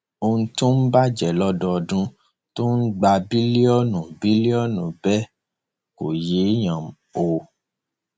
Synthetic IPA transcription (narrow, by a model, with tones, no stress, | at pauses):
o˧ũ˧to˦n̩˦ba˦d͡ʒɛ˨lɔ˦dɔ˧ɔ˧dũ˦ | to˦n̩˦ɡ͡ba˧bi˦li˦ɔ˦nũ˨bi˨˦li˦ɔ˦˨nũ˨bɛ˦ | ko˨je˨˦j̃ã˨m̩˨o˨